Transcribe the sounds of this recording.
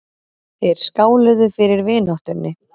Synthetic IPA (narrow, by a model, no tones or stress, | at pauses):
θɛɾ̥skaːwlʏðʏfɪɾɪɾvɪːnɔht̪ʏɾnʔɪ